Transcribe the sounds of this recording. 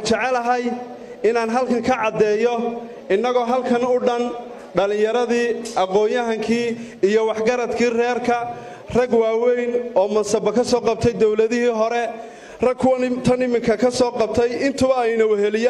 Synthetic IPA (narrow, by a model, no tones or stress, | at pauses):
t͡ʃɛʕɛlɐɦɐj | ɪnaːnɦɐlkʰɐŋkʰɐʕɑd̪ɛːjɔ | ɪnːɐɣɔːɦɐlkʰɐnʊɖɐn | ɖɐlɪ̃jɐɾɐðiːɑqɔːjɐɦɐŋkʰiː | ijɔwɑħɡɐɾɐd̪kʰiːrɛːrkʰɐ | rɐɡwaːwɛjnɔːmɐnsɐbɐkʰɐsɔːqɑb̚t̪ʰɛjd̪ɔwlɐðɪhiːɦɔɾɛ | rɐɡkʰʊwt̪ʰɐnɪmɪŋkʰɐkʰɐsɔːqɑb̚t̪ʰɛjɪnt̪ʰʊβɐɛjnɐʊhɛlɪjaː